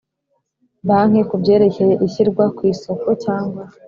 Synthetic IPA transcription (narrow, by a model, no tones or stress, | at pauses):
baŋ̥e̞kubɟe̞ːɾe̞ce̞je̞ʔiçiɾɡwakwiːso̞ko̞caːŋɡwa